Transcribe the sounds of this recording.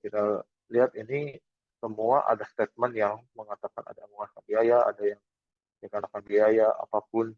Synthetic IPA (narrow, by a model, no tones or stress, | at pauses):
kit̪a | liɦat̪ini | səmuaʔa̰dast̪et̪̚mɛnjaŋməŋat̪akana̰daaŋuŋankanbiajaa̰dajaŋ | dakanakanbiajaa̰pap̚ʊn